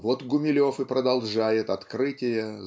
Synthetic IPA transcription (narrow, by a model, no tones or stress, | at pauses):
vot̪ɡʊmʲɪlʲo̞fɨpɾəd̪ɐlˠʐajɪt̪ɐt̪kɾɨtʲɪjə